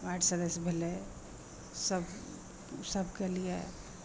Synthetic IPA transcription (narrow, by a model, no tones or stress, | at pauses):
aʈʰsəd̪əsbʱele | səb | səbʱkelijḛ